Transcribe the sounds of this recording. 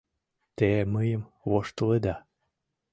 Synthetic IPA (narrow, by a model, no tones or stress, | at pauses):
t̪eməjəm | βoʃt̪əled̪ɑ